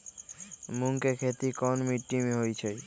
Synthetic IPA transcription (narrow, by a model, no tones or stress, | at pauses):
muŋkekʰet̪ikɔnmiʈːimeɦojt͡ɕʰe